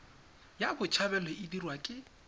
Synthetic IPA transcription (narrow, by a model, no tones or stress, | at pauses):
jabʊt͡ʃʰabɛlɔʔɪdirwakʼɪ